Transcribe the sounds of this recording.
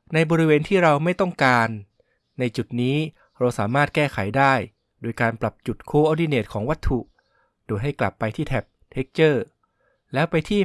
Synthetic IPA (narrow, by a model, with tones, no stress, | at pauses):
na˧jbɔː˧ɾi˦˥weː˧nt̪ʰiː˥˩ɾa˧wma˥˩jt̪ɔ˥˩ŋkaː˧nː | a˧jt͡ɕu˨˩t̪̚niː˦˥ | ɾa˧wsaː˩˦maː˥˩t̪̚kɛː˥˩kʰa˩˦jdaː˥˩j | doː˧jkaː˧npla˨˩p̚t͡ɕu˨˩t̪̚kʰoː˧ʔɔː˧diː˧neː˨˩t̪̚kʰɔː˩˦ŋwa˦˥t̪ʰːu˨˩ | doː˧jɦa˥˩jkla˨˩pːa˧jt̪ʰiː˥˩t̪ʰɛ˨˩p̚t̪ʰe˦˥k̚t͡ɕɤː˥˩ | lɛː˦˥wpa˧jt̪ʰiː˥˩